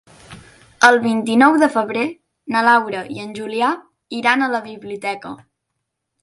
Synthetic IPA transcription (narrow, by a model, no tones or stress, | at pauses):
əlˠβint̪inɔwðəfəβ̞ɾe | nəlawɾəḭənʲʒulia | iɾanələβiβliut̪ɛkə